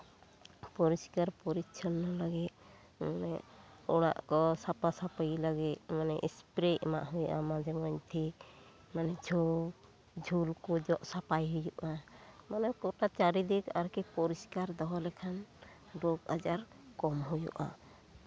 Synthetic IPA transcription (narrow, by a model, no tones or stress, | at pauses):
pɔɾiskaɾpɔɾitt͡ʃʰɔnːɔlaɡit̪̚ | manɛɔɽa̰ʔkɔsapasapajlaɡit̪̚manɛʔḭspɾeʔma̰ʔɦujṵʔamad͡ʒɛmɔɲt̪ʰik | manɛd͡ʒʱɔ | d͡ʒʱulkɔd͡ʒɔʔsapajɦujuʔamanɛkɔʈat͡ʃaɾid̪ikaɾkɛpɔɾiskaɾd̪ɔɦɔlɛkʰan | ɖoɡa̰d͡ʒaɾ | kɔmɦujṵʔa̰